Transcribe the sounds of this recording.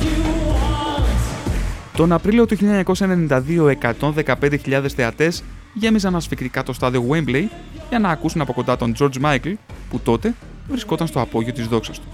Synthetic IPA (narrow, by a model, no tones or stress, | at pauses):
t̪o̞nɐpɾilio̞t̪uçiʎɐeɲɐko̞sɐenenĩnd̪ɐðio̞e̞kɐt̪o̞nðe̞kɐpe̞nd̪e̞çiʎɐðe̞sθe̞ɐt̪e̞z | ʝe̞mizɐnɐsfikt̪ikɐt̪o̞st̪ɐðio̞wemblej | ʝɐnɐːkusunɐpo̞ko̞nd̪ɐt̪o̞nd͡ʒo̞ɾd͡zmɐjklput̪o̞t̪e̞ | vɾisko̞t̪ɐnst̪oɐpo̞ʝiot̪izðo̞ksɐst̪u̥